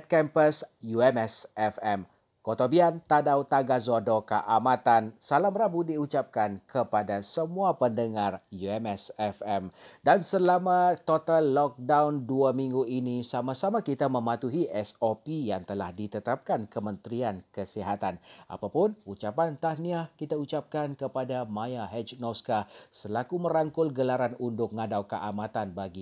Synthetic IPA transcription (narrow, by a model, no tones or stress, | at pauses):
t̪̚kɛmpəsjuɛmɛsɛfɛm | kot̪obiant̪adawt̪aɡazodoka̰ʔamãt̪ansalamrabudiut͡ʃap̚kankʰəpadasəmũapəndəŋarjuɛmɛsɛfɛmdansəlamãt̪ot̪alːɔk̚dawnduamĩŋɡuinisamasamãkit̪amə̃mãt̪uɦiʔɛsopijaŋt̪əlahdit̪ət̪ap̚kankəmənt̪ɾiankəsiɦat̪anʔa̰papʊnut͡ʃapant̪ahniakit̪aut͡ʃap̚kankəpadamãjaɦɛt͡ʃnɔskasəlakumə̃ɾaŋkʊlɡəlaɾanundʊk̚ŋadawkəʔamãt̪anbaɡi